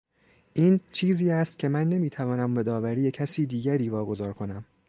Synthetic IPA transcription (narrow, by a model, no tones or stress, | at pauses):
ʔiːnt͡ʃʰiːziːæst̪̚cʰe̞mænːe̞miːt̪ʰævɒːnæmbed̪ɒːvæɾiːje̞cʰæsiːd̪iːɟæɾiːvɒːɡo̞zɒːɾkʰo̞næm